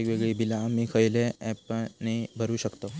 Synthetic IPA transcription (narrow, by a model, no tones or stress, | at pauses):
kʋeɡɭiːbʱilamiːkʰəjleɛpənibʱəɾuːɕəkt̪o